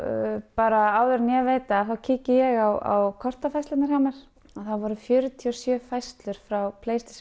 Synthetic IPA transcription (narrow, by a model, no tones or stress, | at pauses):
paːɾaaːwðʏɾnjɛveːjt̪aːθawcʰiːcɪjɛɣawa̰wkʰɔr̥t̪afajst̪lɪt̪nɪɾ̥hamaɾ̥ | aðθaðvɔɾʏfjœːɾʏt̪ʰiɔsjœːfajst̪lʏɾ̥fɾawpʰleːjst̪ɪ̥s